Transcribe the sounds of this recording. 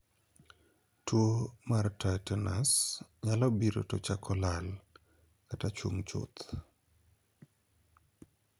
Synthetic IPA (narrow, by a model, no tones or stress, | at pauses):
twomartajtɛnasɲalɔbiɾo̰tɔ̰t͡ʃakʰɔlal | katat͡ʃuŋt͡ʃʊ̰t̪